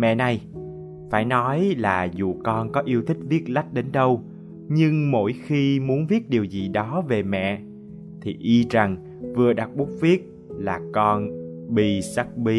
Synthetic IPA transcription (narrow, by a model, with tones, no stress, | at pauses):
mɛ̰˧˨na˨˩j | faː˧˩jnɔ˨˦jlaː˨˩zṵ˨˩kɔ˧nkɔ˨˦ʔi˧əwt̪ʰï˦˥k̟̚vi˦˥ət̚la˦˥k̚ɗe˨˦nɗə˧w | ɲɨ˧ŋmo̰˧˥jxi˧mu˨˦ənvi˦˥ət̚ɗi˨˩əwzi˨˩ɗɔ˨˦ve˨˩mɛ̰˧˨ | t̪ʰi˨˩ʔi˧za˨˩ŋ | vɨ˨˩əɗa˨˩k̚ɓu˦˥k͡p̚vi˦˥ət̚ | laː˨˩kɔ˧n | ɓḭ˧sa˦˥k̚ɓi˨˦